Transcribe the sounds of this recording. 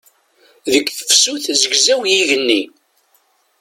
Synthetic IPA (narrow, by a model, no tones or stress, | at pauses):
ðəkːθə̥fsuθzəɡzæwjiʝənːi